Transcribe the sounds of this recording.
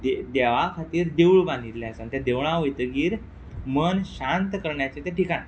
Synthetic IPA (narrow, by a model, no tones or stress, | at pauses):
d̪ed̪ɛʋakʰat̪iːɾd̪ewɭbãnd̪it̪ljaasant̪jad̪eʋɭ̃ãʋojt̪əɡiːɾ | mənɕant̪kəɾɳjat͡ɕet̪eʈikan